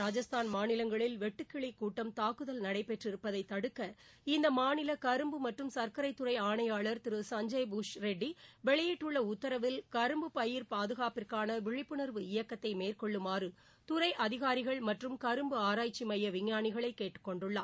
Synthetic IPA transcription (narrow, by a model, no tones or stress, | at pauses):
ɾaːd͡ʒɐst̪aːnmaːnɪlɐŋɡɐɭɪlʋɛʈːɯkːɪɭikuːʈːɐmt̪aːkːɯðɐlnɐɽɐɪpːɛʈrɪɾɯpːɐðɐɪt̪ːɐɽɯkːɐ | ɪnd̪ɐmaːnɪlɐkɐɾɯmbɯmɐʈrɯmsɐɾkɐɾɐɪt̪ːʊɾɐɪaːɳɐjaːɭɐɾt̪ɪɾɯsɐɲd͡ʒɐɪbuʂɾɛɖːiʋɛɭɐjɪʈːɯɭːɐʊt̪ːɐɾɐʋɪlkɐɾɯmbɯpɐjɪɾpaːðɯɣaːpɪrkaːnɐʋɪɻɪpːɯɳɐɾʋɯɪjɐkːɐt̪ːɐɪmeːrkɔɭːɯmaːrɯ | t̪ʊɾɐɪʔɐðɪɣaːɾɪɣɐɭmɐʈrɯmkɐɾɯmbɯaːɾaːjt͡ʃːimɐjːɐʋɪɲːaːnɪɣɐɭɐɪkːeːʈːɯ̥kːɔɳɖɯɭːaː